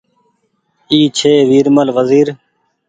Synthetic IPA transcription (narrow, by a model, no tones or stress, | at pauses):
iːt͡ʃʰeːʋiːɾməlʋəziːɾ